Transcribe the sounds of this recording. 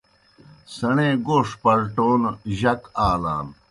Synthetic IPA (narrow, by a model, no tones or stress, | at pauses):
sɐɳẽːɡoːʂpɐɾʈoːnʑɐkaːla̰ːm